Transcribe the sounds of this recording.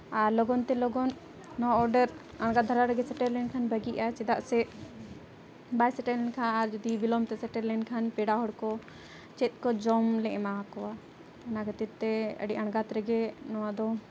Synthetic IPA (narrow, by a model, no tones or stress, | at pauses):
aɾlɔɡɔnt̪ɛlɔɡɔnː | ɔaɔɾɖəɾ | ɐɳɡat̪d̪ʱɐɾaɾəɡɛsɛʈəɾlɛnkʰanbəɡiʔat͡ʃid̪aʔsɛ | bajsɛʈəlɛnkʰãnaɾd͡ʒud̪ibilɔmt̪ɛsɛʈəɾlɛnkʰanpɛɽaɦɔɽkɔ | t͡ʃɛt̪̚kɔd͡ʒɔmlɛʔmaɦakɔwa | ɐnaɡət̪iɾt̪ːɛə̰ɖiʔɐɳ̃ɡat̪ɾɛɡɛnɔwad̪ɔ